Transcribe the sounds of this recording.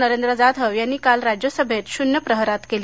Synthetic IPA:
nəɾend̪ɾəd͡zad̪ʱɦəʋjanːiːkalɾad͡ʑjosəbʱet̪ɕunjəpɾəɦɾat̪keli

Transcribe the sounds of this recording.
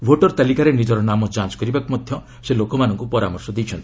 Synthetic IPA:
bʱoʈɔɾt̪alikaɾenid͡ʒɔɾɔnamɔd͡ʒãnt͡ʃɔ̥kɔɾibakɔmɔd̪ʱjɔ | selokɔmanɔŋkupɔɾamɔɾsɔd̪ejt͡ʃʰɔnt̪ii̥

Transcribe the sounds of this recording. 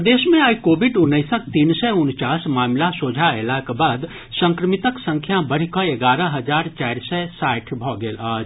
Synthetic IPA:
d̪esmẽaikobʱiɖunːəɪsək̚t̪insɛunt͡ʃasmaːmlasod͡ʒʱaelakbad̪ | sə̃ŋkɾəmit̪əksə̃ŋkʰjabəɽ̤ikɔeɡaɾəɦəd͡ʒaɾt͡ʃajɾsɛsaʈʰbʱɔɡelad͡ʒ

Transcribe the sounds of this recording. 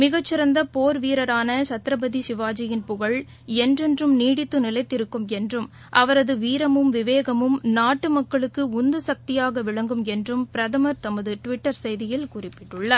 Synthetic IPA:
mɪɣɐt͡ʃːɪɾɐnd̪ɐpoːɾʋiːɾɐɾaːnɐt͡ʃɐt̪ɾɐbɐðisɪʋaːd͡ʒɐjɪnpʊɣɐɭ | ɛndrɛndrɯmniːɽɪt̪ːɯnɪlɐɪt̪ːɪɾɯkːɯmɛndrɯm | ʔɐʋɐɾɐðɯʋiːɾɐmɯmʋɪʋeːɣɐmɯmnaːʈːɯmɐkːɐɭɯkːɯʊnd̪ɯsɐk̚t̪ɪjaːɣɐʋɪɭɐŋɡɯmɛndrɯmpɪɾɐðɐmɐɾt̪ɐmɐðɯʈʋɪʈːɐɾsɛjðɪjɪlkʊrɪpːɪ̥ʈːɯɭːɐ

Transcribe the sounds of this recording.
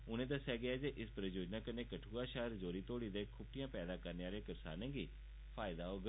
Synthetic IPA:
ʊnẽːd̪əsɛːɡɪɛːd͡ʒeːʔɪspɾəjoːd͡ʒnaːkəneːkəʈʰuːaːʃaːɾzoːɾiːt̪oːɽiːd̪eːkʰʊbʈʰɪjãːpɛːd̪aːkəɾneːaːlẽːkəɾsa̰ːnẽːɡiː | pʰaːɪd̪aːoːɡə

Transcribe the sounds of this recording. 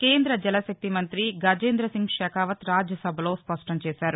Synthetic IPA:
keːnd̪ɾɐd͡ʒɛlɐʃɐk̚t̪imɐnt̪ɾiɡaːd͡ʒeːnd̪ɾɐsiŋɡʃɛːkaːʋɐt̪ɾaːd͡ʒjɐsɐbʱɐlo̞ːspɐʂʈɐmt͡ʃɛːsaːɾu

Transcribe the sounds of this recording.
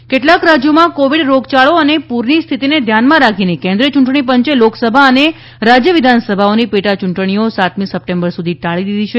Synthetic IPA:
keʈlakɾad͡ʒjomãkoʋiɽɾoɡt͡ʃaɭoənepuɾnist̪ʰit̪ined̪ʱjanmãɾakʰinekẽnd̪ɾiət͡ʃuɳʈɳ̃ip̬əɲt͡ʃeloksəbʱaəne | ɾad͡ʒjəʋid̪ʱansəbʱaonipeʈat͡ʃuɳʈɳ̃iosat̪misəp̚ʈembəɾsud̪ʱiʈaɭid̪id̪ʱit͡ʃʰe

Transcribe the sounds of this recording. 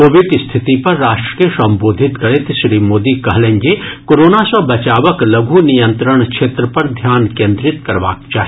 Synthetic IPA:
oːʋɪɖ̪st̪ʰɪt̪ipɐɾːaːʃʈɾə̥kesɐ̃mboːd̪ʱɪt̪kɐɾet̪ɪʃɾiːmoːd̪ikɐɦlẽːŋɡekoːɾoːnasɐbɐt͡ʃaːʋəklɐɡʱunijə̃nt̪ɾəɳ̃kʃʰeːt̪ɾəpɐɾd̪ʱjaːnkẽːnd̪ɾɪt̪kɐɾʋa̰ːkt͡ʃaːɦi

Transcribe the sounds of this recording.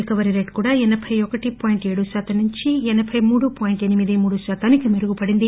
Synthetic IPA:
ikɐʋɐɾiɾeːʈkuːɽaːɛnɐpʰɐjɔkɐʈipaːjiɳʈe̞ːɽuʃaːt̪ʰɐmnuɲt͡ʃiɛnɐbʰʱɐjmuːɽupaːjiɳʈe̞nimid̪imuːɽuʃaːt̪ʰaːnikimeɾuɡupɐɽind̪i

